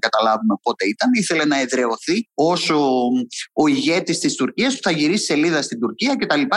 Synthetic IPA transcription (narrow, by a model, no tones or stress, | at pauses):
ɡɐt̪ɐlɐvume̞po̞t̪e̞it̪ɐniθe̞le̞nɐe̞ðɾe̞o̞θio̞so̞ | oiʝe̞t̪ist̪ist̪uɾciɐst̪u̥θɐʝiɾisi̥se̞liðɐst̪ind̪uɾciɐce̞t̪ɐlipɐ